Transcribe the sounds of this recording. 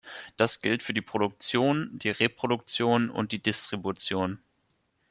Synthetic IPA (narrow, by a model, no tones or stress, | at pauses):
d̥asɡ̥ɪltfyːɐdiːpʁ̥oɾʊk̚t͡sjoːnd̥iːʁepʁ̥odʊk̚t͡sjoːnʊ̰nt̚d̥iːdɪstʁ̥ibut͡sjoːn